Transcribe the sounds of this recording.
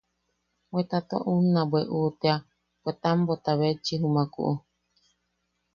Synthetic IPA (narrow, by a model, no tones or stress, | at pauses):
bet̪at̪o̰ʔunãbweʔut̪ea | bʷet̪ambot̪aβet͡ʃiɦumakṵʔu